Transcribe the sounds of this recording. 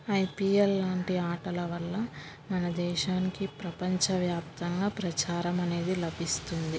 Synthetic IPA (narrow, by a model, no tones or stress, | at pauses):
ɐjpiːelːaːɳʈiaːʈɐlɐʋɐlːɐ | mɐnɐd̪ɛːʃaːnikipɾɐpɐɲt͡ʃɐʋjaːpt̪ɐŋɡaːpɾɐt͡ʃaːɾɐmɐne̞ːd̪ilɐbʱist̪und̪i